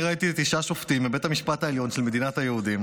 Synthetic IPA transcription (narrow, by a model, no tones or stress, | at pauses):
ʁait̪itiʃaʃoft̪imːibe̞thamiʃpat̪aeljo̞nʃelme̞d̪inatajeud̪im